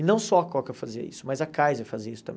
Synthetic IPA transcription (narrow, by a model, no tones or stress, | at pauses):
ɪnɐ̃w̃sɔakɔkɐfaziɐ̰ḭsʊmɐjzɐkajzɐfaziɐisʊ̥t̪ɐ̃mbẽ